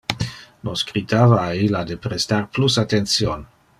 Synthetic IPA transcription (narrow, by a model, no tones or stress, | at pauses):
nosɡʁit̪avaːilad̪epɾest̪arplusat̪ensjon